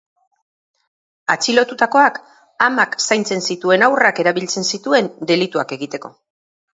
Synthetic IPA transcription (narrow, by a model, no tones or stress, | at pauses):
at͡silo̞t̪ut̪ako̞ak | amaksajnt͡se̞nsit̪ue̞nawrake̞ɾaβilt͡se̞nsit̪ue̞nd̪e̞lit̪uake̞ɣit̪e̞ko̞̰